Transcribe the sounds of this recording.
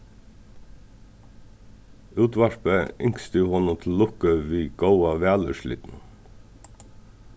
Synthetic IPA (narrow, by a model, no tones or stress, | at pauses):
ʉːt̪ʋɑʃpeʔʏŋkst̪ʉːhɔnət̪ʰl̩ʊkəʋiːɡ̥oʊɑʋæːlʉ̰ʃlḭːt̪n̩